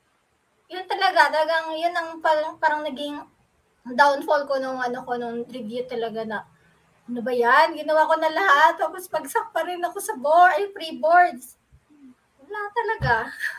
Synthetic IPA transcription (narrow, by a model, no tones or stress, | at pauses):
jʊnt̪ɐlɐɡat̪ɐlɐɡaŋjʊnːɐŋpaɐŋpaːɾɐŋnɐɡɪŋ | d̪awnfolko̞nʊŋʔɐnoko̞nʊŋɾɪvjut̪ɐlɐɡanɐ | ʔɐnobɐjanɡɪnɐwaːko̞nɐlɐhat̪̚ːɐpospɐɡsɐk̚pɐɾɪnɐko̞sɐboɐjpɾiboɹd̪s | wɐlat̪ɐlɐɡa